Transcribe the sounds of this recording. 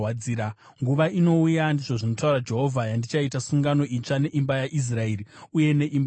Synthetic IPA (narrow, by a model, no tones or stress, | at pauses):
ad͡ziːɾa | ŋɡuʋaino̞ujandiʐoʐino̞taurad͡ʒe̞ɦo̞vʱajandit͡ʃaitasuŋɡano̞ʔit͡ʂane̞ʔimbajaʔis̬raeːriuje̞ne̞ʔim